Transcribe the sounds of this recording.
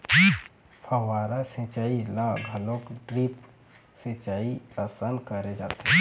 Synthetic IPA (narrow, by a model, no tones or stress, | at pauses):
pʰɐwaːɾasẽt͡ʃaːilaɡʱɐlõkɖɾiːp | sẽt͡ʃaːiasankəɾed͡ʒaːt̪eɦɛ̃